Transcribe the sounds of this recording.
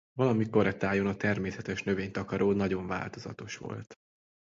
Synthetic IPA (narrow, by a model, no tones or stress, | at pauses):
vɒlɒmiko̞ɾɛt̪aːjonɒt̪ɛrmeːsɛt̪ɛʃnø̞veːɲt̪ɒkɒɾʔoːnɒɟo̞ɱva̰ːlt̪o̞zɒ̰t̪o̞ʃʋo̞̰lt̪